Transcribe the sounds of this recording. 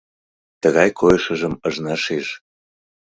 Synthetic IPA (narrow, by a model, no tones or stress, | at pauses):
t̪əɣɑjkʰojəʃəʒəməʒnɑʃeʒ